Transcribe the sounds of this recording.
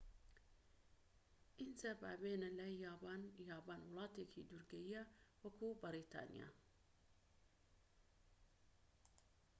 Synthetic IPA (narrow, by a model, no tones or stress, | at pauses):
ʔint̪abaːbeːnalɐjaːbaːnjaːbaːnwʊlˠɑːt̪eːkʰḭd̪uɾɡɐjijawɐkʰubɐɾit̪ʰɑ̰ːnḭja̰